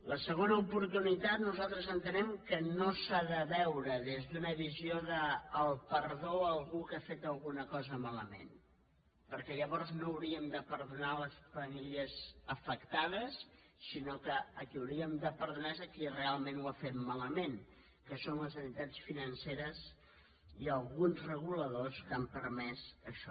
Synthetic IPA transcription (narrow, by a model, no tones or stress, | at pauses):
ləsəɣ̞onəupuɾt̪unit̪at̪nuzalˠt̪ɾəzənt̪ənɛmkənosaðəβɛwɾəðezðunəβizioðəːlˠpəɾðoəlˠɣukafet̪əlˠɣunəkɔzəmaləmḛn | pəɾkɛʎəβɔɾznoːwɾiəmd̪əpəɾðunaləsfəmiliəzəfəkt̪aðəsː | inokəəkiəwɾiəmd̪əpəɾðunazəkirealˠmenuafet̪maləmen | kəsonləzənt̪it̪at͡sfinənseɾəz | iəlˠɣunzrəɣuləðoskampəɾmɛzəʃɔ